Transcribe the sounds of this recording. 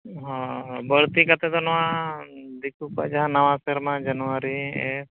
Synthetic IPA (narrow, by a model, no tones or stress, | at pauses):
ɦɔ̃bəɾt̪ikat̪ɛd̪ɔnɔwã | d̪ikukua̰d͡ʒaɦãnawãsɛɾmãd͡ʒanuwaɾiɛ̰